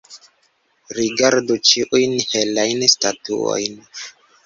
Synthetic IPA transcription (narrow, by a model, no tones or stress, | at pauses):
ɾiɡaɾdut͡ʃiʔujnhelajnstatṵo̰jn